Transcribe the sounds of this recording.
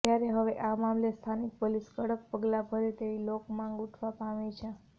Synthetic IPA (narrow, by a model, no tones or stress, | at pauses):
t̪jaɾeɦəʋeʔamamlest̪ʰanik̚poliskəɽək̚pəɡlapəɾet̪eʋilokmãŋɡuʈʰʋapaʋet͡ʃʰe